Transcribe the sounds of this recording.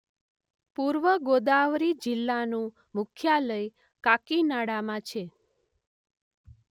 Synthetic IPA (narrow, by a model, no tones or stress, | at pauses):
puɾʋəɡod̪aʋɾid͡ʒɪlːanũ | mʊkʰjaləj | kakinaɽamãt͡ʃʰe